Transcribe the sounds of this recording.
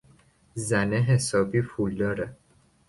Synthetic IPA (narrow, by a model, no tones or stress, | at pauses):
zæneɦesɒːbiːfuld̪ɒːɾɛ